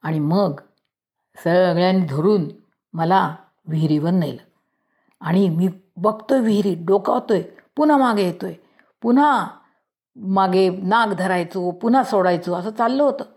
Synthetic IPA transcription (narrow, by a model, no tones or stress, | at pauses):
aɽ̃iməɡ | səɡɭjanid̪ʱoɾuːn | məla | ʋiɦɾiʋənːəjlə | aɽ̃imiːbəɡt̪oeʋiɦɾiːɖoka̰ɦot̪ojpun̤amaɡʱejet̪oj | pun̤a | maɡʱenaɡd̪ʱəɾajt͡sopun̤asoɽajt͡soəsəːt͡salːəɦot̪əː